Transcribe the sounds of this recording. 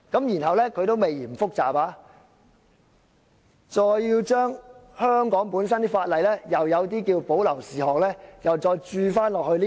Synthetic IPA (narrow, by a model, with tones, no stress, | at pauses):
kɐ˨˥mjiː˨˩nɦɐ˨wlɛː˥kʰɵ˧t̪o˥wme˨jiː˨˩mfʊ˥k̚t͡saː˨˩paː˨˧ | t͡sɔː˧jːiː˧wt͡ʃœː˥ŋhœː˥ŋkɔː˨˥ŋpuː˨˥nsɐ˥nt̪iː˥faː˧t̚lɐ˨jlɛ˥jɐ˨wjɐ˨˧wt̪iː˥kiː˧wpo˨˥wlɐ˨˩wsiː˨˩hɔː˨k̚lɛː˥jɐ˨wt͡sɔː˧jt͡ʃyː˧faː˥nlɔː˨k̚hɵ˧ɥliː˥